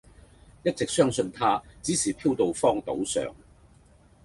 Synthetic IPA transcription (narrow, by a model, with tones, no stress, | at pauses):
jɐ˥t̚t͡sɪ˨k̚sœː˥ŋsɵ˧nt̪ʰaː˥t͡siː˨˥siː˨˩pʰiː˥wt̪o˨wfɔː˥ŋt̪o̰˨˥wsœ̰ː˨ŋ